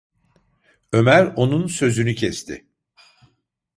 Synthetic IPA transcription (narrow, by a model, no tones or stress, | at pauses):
ø̞mæɾo̞nunsø̞zynycʰɛst̪ʰɪ̰